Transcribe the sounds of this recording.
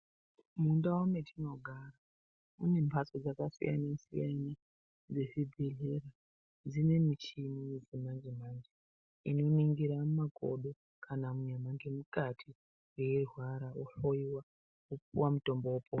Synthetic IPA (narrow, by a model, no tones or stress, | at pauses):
mundawometʰino̞ɡʱara | une̞mpʰasod͡zakasḭja̰nesijana | d͡zeʐibʱeɮera | d͡zine̞mit͡ʃimiezimanzimand͡ʒi | ḭno̞neŋɡiɾamakʰo̰ɗo̞ | kʰanamuɲamaŋɡe̞mukatʰi | reerwaɾauɬojiwa | upṵwamuto̞mboopo